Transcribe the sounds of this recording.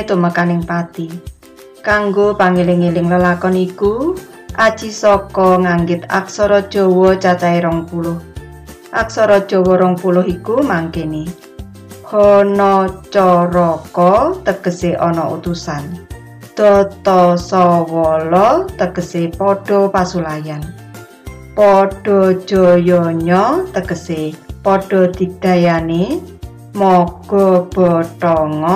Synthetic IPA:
t̪uməkanɪŋpat̪i | kaŋɡopaŋelɪŋelɪŋləlakɔniku | ʔad̥ʒ̥i̤sɔkɔŋaŋɡɪt̪a̰ksɔɾɔd̥ʒ̥ɔ̤wɔt͡ʃat͡ʃaeɾɔŋpulʊh | ʔaksɔɾɔd̥ʒ̥ɔ̤wɔɾɔŋpulʊɦikumaŋkene | kɔnɔt͡ʃɔɾɔkɔt̪əɡ̥ə̤seʔɔnɔʔṵt̪usan | d̪̥ɔt̪ɔsɔwɔlɔt̪əɡ̥ə̤sepɔɖ̥ɔ̤pasulajan | pɔɖ̥ɔ̤̥ʒ̥ɔ̤jɔɲɔt̪əɡ̥əsepɔɖ̥ɔ̤d̪̥i̤d̪̥ä̤jane | mɔɡ̥ɔ̤b̥ɔt̪ɔŋɔ

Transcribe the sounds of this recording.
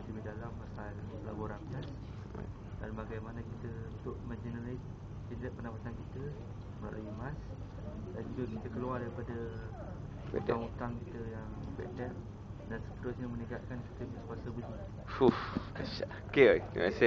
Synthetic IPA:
t̪ibidalampasaləla̰boɾaŋkas | a̰ | danbaɡajmanakit̪əunt̪ʊʔməd͡ʒinəlas | d͡ʒinɾɛʔ̚pənapat̪ankit̪ə | məna̰lʔa̰jimãs | dand͡ʒuɡakit̪əkəluardaɾipadə | ɛ̰t̪aŋut̪aŋkit̪əjaŋbɛ̰t̪̚dɛp̚ | dansə̥pət̪ʊsɲaməniɡaʔ̪̚kanki̥t̪əbikuasəbəli | fuf | ʃa | kea̰se

